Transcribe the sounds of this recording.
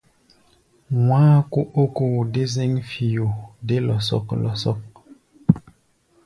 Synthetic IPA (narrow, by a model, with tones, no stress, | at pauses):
wãː˦ko˦ʔo˦ko˨de˦ze˦ŋfi˨jo˨de˦lɔ˨sɔ̰˦˨klɔ˨sɔ˦k̚